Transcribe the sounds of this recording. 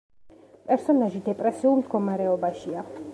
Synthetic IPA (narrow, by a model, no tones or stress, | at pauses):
pʼɛɾsɔnaʒid̪ɛpʼɾɛsiulˠmd̪ɡɔmaɾɛɔbaʃia